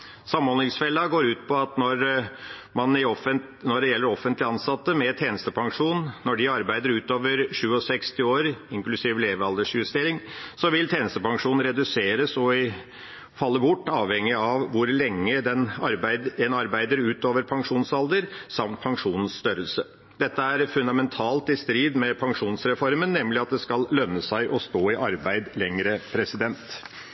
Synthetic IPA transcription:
sɑmɔnɪŋsfɛlːɑɡoːɾʉːt̪pʰɔɑt̪nɔɾ | mɑnɪɔə | nɔɖɛjɛlːəɾɔfːənt̪lɪɑnsɑt̪ːəmɛt̪ʰeːnəst̪əpʰɑŋʂuːnnːɔɖɪɑɾbæɪd̪əɾʉːt̪oːʋəɾʂʉːɔsɛkst̪ɪoːɾɪŋklʉsiːʋleːʋəɑld̪əʂjʉst̪eːɾɪŋsɔʋɪlt̪ʰeːnəst̪əpɑŋʂuːn̩ɾɛd̪ʉseːɾəsɔɪ | fɑlːəbʊʈːɑːʋhɛŋːɪɑʋʋʊɾlɛŋːəd̪ɛnɑɾæɪd̪d̪ɛnɑɾbæɪd̪əɾʉːt̪oːʋəɾpʰɑŋʂuːnsɑld̪əɾsɑmt̪̚pʰɑŋʂuːnn̩sst̪œɾəlsə | d̪̥ɛt̪ːəæɾfʉnd̪ɑmɛnt̪ʰɑːlt̪ɪst̪ɾiːd̪mɛpʰɑŋʂuːnsɾɛfɔɾmənːɛmlɪɑt̪̚d̪ɛskɑllœnːəsæɪʔɔst̪oːɪʔɑɾbæɪd̪lɛŋɾəpʰɾɛsɪd̪ɛnt̪

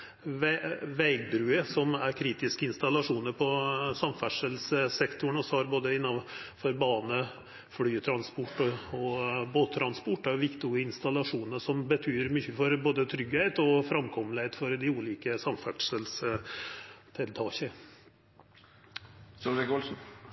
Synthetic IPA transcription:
ʋʋæɪɡd̪ɾʉːəsɔmæɾkʰɾiːt̪ɪskəɪnst̪ɑlɑʂuːnəɾpʰɔsɑmfæʈʂəlssɛkt̪ʊɳɔsɔhɑɾboːd̪əɪnːɑnfɔɾbɑːnə | fɽyːt̪ʰɾɑnspʊʈːɔɔboːt̪ʰːɾɑnspʊʈːæɾʋɪkt̪ʊəɪnst̪ɑlɑʂuːnəsɔmbət̪ʰyːɾmʏçːəfɔɾboːd̪ət̪ʰɾʏɡhɛɪt̪ɔfɾɑmkʰɔməlɪhɛɪt̪fɔɾd̪ɪuːliːkəsɑmfæʈʂəls | t̪ʰɪlt̪ʰɑːçə | sɔʋɛkɔlsn̩

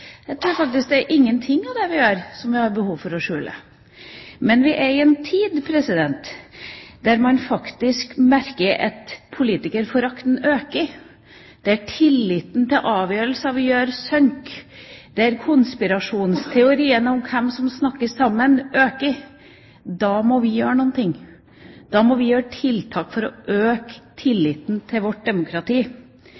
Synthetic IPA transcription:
jæɪt̪ʰɾuːɾfɑk̚t̪ɪsk̚d̪ɛæɾʔɪŋːənt̪ʰɪŋːɑʋd̪ɛʋɪjøːɾsɔmʋɪhɑɾbəhuːʋfɔɾɔʂʉːlə̰ | mɛnʋɪʔæɾɪɛnt̪ʰiːd̪pʰɾɛsɪd̪ɛnt̪ | d̪̥æɾmɑnfɑkt̪ɪskmæɾkəɾɑ̰t̪pʰʊliːt̪ɪkəɾfɔɾɑkt̪nøːkə | d̪̥ɛæʈʰɪlːɪt̪nt̪ʰɪlʔɑːʋjøːɾəlsəɑʋɪjøːɾsœŋkd̪̥ɛæɾkʰʊnspɪɾɑʂuːnst̪ʰɛʊɾiːənəʊmkʰɛmsɔmsnɑkːəsɑmːənʔøːkə | d̪ɑːmɔʋɪjøːɾəɳɔːnt̪ʰɪŋː | d̪̥ɑːmɔʋɪjøːɾəʈʰɪlt̪ʰɑːkfɔɾɔʔøːkt̪ʰɪlːɪt̪n̩t̪ʰɪlʋɔʈ̚d̪ɛmʊkʰɾɑt̪ʰiː

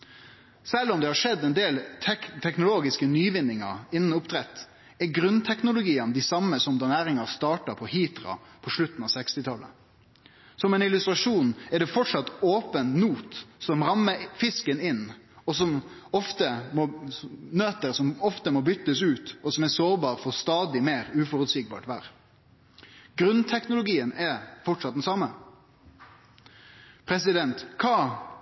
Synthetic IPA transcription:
sɛlɔmd̪ɛhɑʂɛd̪ːɛnd̪eːlʰt̪ʰɛknʊloːɡɪskənyːʋɪnːɪŋɑ̰ɾɪnːn̩ʊpt̪ʰɾɛt̪ː | ɛɡɾʉnt̪ʰɛknʊlʊɡiːənəd̪ɪsɑmːəsɔmd̪ɑnæːɾɪŋɑst̪ɑːʈɑpʰɔhiːt̪ɾɑ̰pʰɔʂɭʉt̪ːn̩ɑːʋsɛkst̪ɪt̪ʰɑlːə̰ | sɔmɛnɪlʉst̪ɾɑʂuːnɛɖɛfɔʈʂɑt̪ːoːpənnuːt̪sɔmɾɑmːəfɪskənɪnː | ɔs̬ɔm | ɔft̪əmɔnøːt̪əɾsɔmɔft̪əmɔbʏt̪ːəsʉːt̪ɔsɔmæsoːɾbɑːɾfɔʁst̪ɑːd̪ɪmeːɾʉːfɔɾʉt̪sik̚bɑ̰ːʈʋæ̰ːɾ | ɡɾʉnt̪ʰɛknʊlʊɡiːənɛɾfɔʈʂɑt̪̚d̪ɛnsɑmːə | pʰɾɛsɪd̪ɛnt̪kʰɑː

